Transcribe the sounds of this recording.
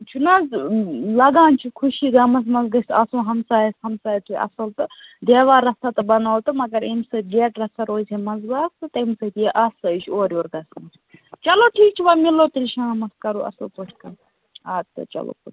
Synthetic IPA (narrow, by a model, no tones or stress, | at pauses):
t͡ʃʰunaːzlɐɡãːnt͡ʃʰukʰuʃiːɡɐmɐs̬mɐnzɡɐsʲt̪ɐsũːɦɐmsaːjɐshɐmsaːjɐt̪uʔɐ̰sɐlt̪ɨd̪eːʋaːɾɐst̪at̪ɨbɐnaːwt̪ɨmɐɡɐɾimsɐɡeːʈɾɐst̪ɐɾoːizʲemɐzbaːst̪ɨt̪ɐimsɐt̪ijeʔɐsɐjt͡ʃʰoːɾʲoːɾɡɐsmɐs | t͡ʃɐloːʈʰiːk̚t͡ʃʰiʋaːmiloːt̪ilʲʃaːmɐskɐɾuːɐ̰sɐlpoʈʰkɐ | aːt̪ːɨ̰t͡ʃɐ̰lo̰ːpoʈ